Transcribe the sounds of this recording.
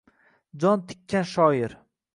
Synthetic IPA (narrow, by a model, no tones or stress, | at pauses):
d͡ʒɒnt̪ʰɪ̥kʲʰːanʃɒjɪɾ